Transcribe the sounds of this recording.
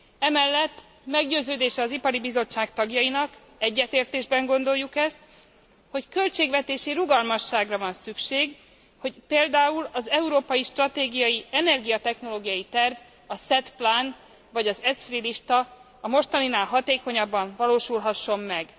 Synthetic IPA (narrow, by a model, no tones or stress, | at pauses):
ɛmɛlːɛt̪ː | mɛɡɟøːzøːd̪eːʃɛɒzipɒɾibizo̞t͡ʃːaːkt̪ɒɡjɒjinɒk | ɛɟːɛt̪eːrt̪eːʒbɛŋɡo̞nd̪o̞jːukɛst̪̚ | ho̞ckø̞lt͡ʃeːɡvɛt̪eːʃiɾuɡɒlmɒʃːaːɡrɒvɒnsykʃeːɡ | ho̞ɟpeːld̪aːulɒzɛuɾoːpɒjiʃt̪rɒt̪eːɡijɒjiɛnɛrɡijɒt̪ɛxno̞loːɡijɒjit̪ɛrv | ɒsɛt̪plan | vɒɟɒzɛsfriliʃt̪ɒː | mo̞ʃt̪ɒninaːlɦɒt̪eːko̞ɲɒbːɒɱvɒloːʃulɦɒʃːo̞mːɛɡ